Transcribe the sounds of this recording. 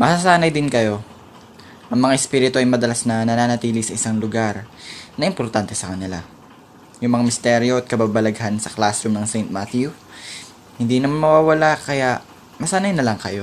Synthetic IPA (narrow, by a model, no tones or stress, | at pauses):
mɐsas̬aːnɐjd̪ɪnkɐjo̞ | ʔɐŋmɐŋaʔɛspiːɾɪt̪o̞ʔɐjmɐd̪ɐlasnɐnɐnaːnɐt̪iːlɪsɐʔɪsaŋlʊɡaɾnɐʔɪmpoɾt̪ant̪ɛsɐkɐnɪla̰ | jʊŋmɐŋamɪst̪ɛɾjoʔɐt̪̚kɐbaːbɐlɐɡhansɐklasʊmnɐŋsɛjnt̪̚mat̪ju | hɪnd̪iːnɐmanmɐwaːwɐlakɐjaʔ | mɐsaːnɐjnɐlɐŋkɐjo̞